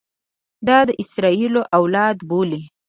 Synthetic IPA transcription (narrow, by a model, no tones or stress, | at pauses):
d̪ɑd̪əʔɪsɾɑiloʔawlɑd̪boli